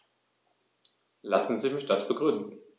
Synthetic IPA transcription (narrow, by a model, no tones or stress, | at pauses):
lasn̩ziːmɪçd̥asb̥əɡʁʏndn̩